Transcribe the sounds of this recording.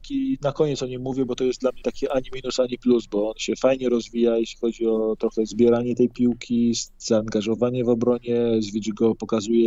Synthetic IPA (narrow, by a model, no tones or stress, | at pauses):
kʲinakɔɲɛt̪sɔɲimmːuvʲjɛbɔt̪ɔjɛst̪d̪lamɲɛt̪akʲiʔaɲimʲinusaɲipluzbɔɔnɕɛfajɲɛɾɔzvʲijajeɕlʲixɔd͡ʑiɔt̪ɾɔxɛzbʲjɛɾaɲɛt̪ɛjpʲiwkʲʰiz̥aːŋɡaʐɔvaɲɛvɔbɾɔɲɛzvʲjed͡ʑiɡɔpɔkazujɛ